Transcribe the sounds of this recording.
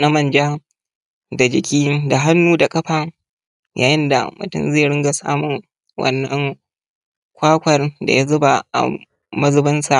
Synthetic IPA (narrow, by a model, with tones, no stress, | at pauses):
na˦mɐ˨nd͡ʒaː˦ | da˨d͡ʒɪ˨kʲiː˦da˨ɦa˦nːuː˦da˨kʼɐ˦ɸaː˨ | jʔa̰ː˨jɪ˦nda̰˨mʊ̰˨tʊ̰˦˨mzeː˦˨ɽɪ˦ŋɡa˨sa̰ː˦mʊ˨ŋ | wʔɐ̰˦nːɐ˦ŋ | kʷaː˦kʷɐ˨rda̰˨ja˦zʊ˦ba˨a̰˨ | mɐ˦zʊ˦bɐ˦nsa˨ʔ